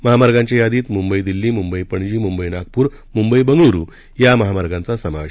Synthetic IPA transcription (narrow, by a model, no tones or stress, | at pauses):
məɦamaɾɡaɲt͡ɕajad̪iːt̪mumbəid̪ilːiːmumbəipəɳd͡ʑiːmumbəinak̚puːɾ | mumbəibəŋɡɭuɾṵː | jaməɦamaɾɡãnt͡sasəma̰ʋe